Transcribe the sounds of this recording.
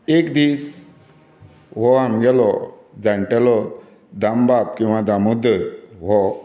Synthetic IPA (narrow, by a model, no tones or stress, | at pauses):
ekd̪is | ɦɔɦamɡɛlɔ | d͡zãɳʈɛlɔ | d̪ambab̚kĩw̃ʋad̪amud̪ət̪ɦɔ